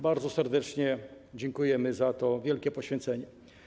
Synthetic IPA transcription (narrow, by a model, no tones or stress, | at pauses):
baɾdzɔsɛɾd̪ɛt͡ʂɲɛd͡ʑɛŋkujɛmɘzat̪ɔvʲjɛlkʲɛpɔɕfʲjɛnt̪sɛɲɛ